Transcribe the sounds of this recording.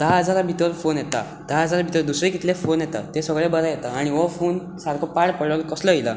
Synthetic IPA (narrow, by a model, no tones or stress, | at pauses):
d̪aɦəd͡zaɾabʱit̪ʋəɾfonjet̪a̰ | d̪aɦəd͡zaɾabʱit̪əɾd̪usɾekit̪lefonjet̪a̰t̪esəɡɭebəɾajet̪aːɽ̃iʋɔfon | saɾkʰɔpaɽpəɭəlkəsləila̰